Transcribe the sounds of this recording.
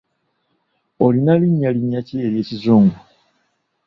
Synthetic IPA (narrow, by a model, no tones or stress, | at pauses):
olinaliɲːaliɲːaceeɾje̞ːcizuːŋɡu